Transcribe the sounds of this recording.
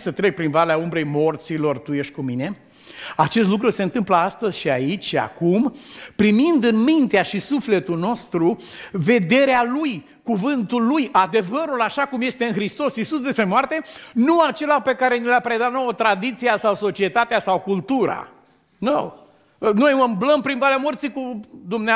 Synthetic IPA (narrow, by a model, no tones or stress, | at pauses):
sət̪ɾe̞k̚pɾinvaleaumbɾe̞jmo̞rt̪silo̞rt̪uje̞ʃt̪̚ʲkumine̞ | at͡ʃe̞st̪lukɾuse̞ɨnt̪ɨmpləast̪əzʲʃiait͡ʃʲʃia̰kumpɾimind̪ɨnmint̪eaʃisufle̞t̪ulno̞st̪ɾu | ve̞d̪e̞ɾealuj | kuvɨnt̪ulːujʔad̪e̞vəɾulaʃakumje̞st̪e̞ɨnxɾist̪o̞sisusd̪e̞spɾe̞moart̪e̞nuat͡ʃe̞lape̞kaɾe̞nileapɾe̞d̪at̪nowət̪ɾad̪it̪sijasawso̞t͡ʃie̞t̪at̪easawkult̪uɾa̰ | now | nojməmbləmpɾinvalamort̪sikud̪umne